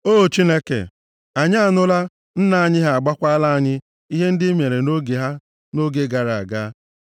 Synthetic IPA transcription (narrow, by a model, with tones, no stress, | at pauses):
oː˦˨t͡ʃi˦ne˦kḛ˨ | a˨ɲa˦a˦˨nʊ˦la˦ | n̩˦na˨a˦ɲɪ˦ɦa˦˨a˨ɡ͡ba˦kʷa˦a˦la˦a˦ɲɪ˦ | i˦ɦe˦n̩˦dɪ˦me˨ɾe˨no˦ɡe˨ɦa˦ | no˦ɡe˦ɡa˨ɾa˨a˨ɡa˦